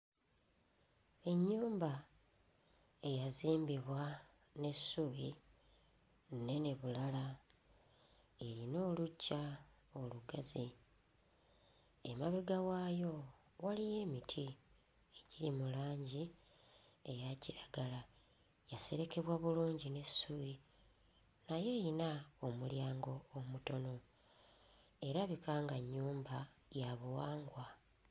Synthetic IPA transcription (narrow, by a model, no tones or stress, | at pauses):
e̞ɲːuːmba | e̞jaziːmbiβwa | ne̞suβi | e̞ne̞βulala | e̞ɾino̞ːlucːaoluɡazi | emaβeɡawajo̞ | walije̞ːmitʰi | eɟiɾimulaːɲɟi | e̞jaciɾaɡala | jase̞ɾe̞ke̞βwaβuluːɲɟine̞suβi | naje̞jinaomuljaːŋɡo̞ːmuto̞no̞ | e̞ɾaβikaːŋɡaɲːuːmba | jaβuwaːŋɡwa